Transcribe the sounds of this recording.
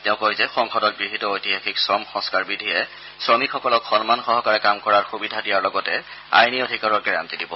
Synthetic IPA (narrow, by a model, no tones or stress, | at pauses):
tɛʊ̃kojzɛxɔŋxɔdɔt̚ɡɹiɦitɔojtihaxiksɹɔmxɔ̃skaɹbidʱijɛ | sɹɔmikxɔkɔlɔkxɔnmanxɔɦɔkaɹɛkamkɔɹaɹxubidʱadijaɹlɔɡɔtɛa̰jniodʱikaɹɔɹɡɛɹa̰mtidibɔ̰